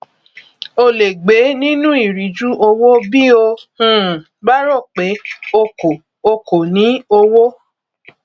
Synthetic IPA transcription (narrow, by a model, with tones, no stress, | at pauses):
o˧le˨ɡ͡be˨˦nĩ˦nũ˦i˦˨ɾi˨˦d͡ʒu˦ʔo˧wo˦bi˦o˧ũ˦˨ | ba˦ɾɔ˦˨k͡pe˨˦o˧ko˨ | o˧ko˨nĩ˨˦o˧wo˦